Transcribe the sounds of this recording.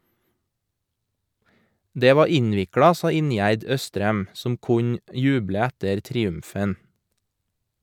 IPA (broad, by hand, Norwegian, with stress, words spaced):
ˈdeː ˈʋɑː ˈɪɲʋɪkɹɑ ˈsɑː ˈɪnjæɾd ˈœstɾɛm ˈsɔm ˈkʊɲ ˈjʉːblə ˈɛtəɾ tɾɪˈʉmfən